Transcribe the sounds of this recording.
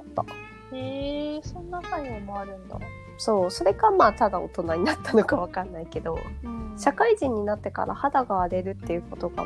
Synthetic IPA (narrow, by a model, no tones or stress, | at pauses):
t̪ːa̰ | heso̞nonakaɲiomoaɾɯ̟̃nd̪a̰ | so̞ːso̞ɾe̞kamaːt̪ad̪ao̰t̪o̞naɲ̟inat̪ʰːano̞kaβakanːaike̞d̪o̞̰ɕakaiʑĩɲ̟ːinat̪ːe̞ka̰ɾʔa̰had̪aɡaːɾe̞ɾɯ̟t̪ːe̞jɯ̟ko̞t̪o̞ɡa̰